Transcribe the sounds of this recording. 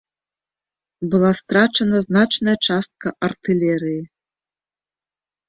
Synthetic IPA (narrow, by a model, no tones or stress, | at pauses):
bɨlˠast̪ɾat͡ʂɐnɐznat͡ʂnɐjɐt͡ʂast̪̚kɐʔɐrt̪ɨlʲɛɾɨji